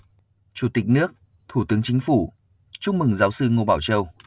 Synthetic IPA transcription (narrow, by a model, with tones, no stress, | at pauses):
t͡ɕu˧˩t̪ï˨˩k̟̚nɨ˦˥ək̚ | t̪ʰu˧˩t̪ɨ˨˦əŋt͡ɕï˨˦ŋ̟fu˧˩ | t͡ɕʊ˦˥ŋ͡m̚mɨ˨˩ŋzaː˨˦wsɨ˧ŋo˧˩ɓaː˧˩wt͡ɕə˧w